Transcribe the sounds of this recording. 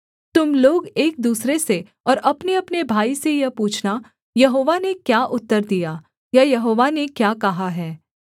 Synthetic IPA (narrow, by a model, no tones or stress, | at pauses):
t̪ʊmloːɡeːk̚d̪uːsɾese | ɔːɾɐpneɐpnebʱaːisejɐpuːt͡ʃʰna | jɐɦoːʋanekjaːʔʊt̪ːəɾd̪ija | jajɐɦoːʋanekjaːkɐɦaɦɛː